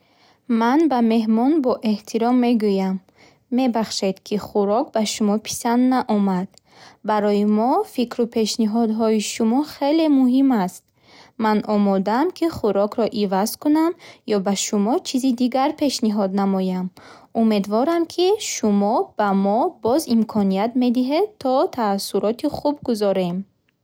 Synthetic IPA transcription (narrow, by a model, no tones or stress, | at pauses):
manbame̞ɦmɔnbɔʔeht̪ʰiɾɔmːe̞ɡujamː | e̞baχʃe̞d̪̥kʰiχuɾɔk̚baʃumɔpʰi̥sand̪naʔɔmad̪̥ | baɾɔjimɔfikɾupʰe̞ʃniɦɔd̪ɦɔiʃumɔχe̞le̞muɦimast̪̚ | manʔɔmɔd̪amkʰiχuɾɔkʰɾɔʔivazkunamjɔbaʃumɔt͡ʃʰizid̪iɡaɾpʰe̞ʃniɦɔd̪namɔjamume̞d̪vɔɾamkʰiʃumɔb̥amɔbɔzimkʰɔniat̪me̞d̪iɦe̞d̪̚t̪ʰːɔt̪ʰaːsːuɾɔt̪ʰiχubɡuzɔɾe̞m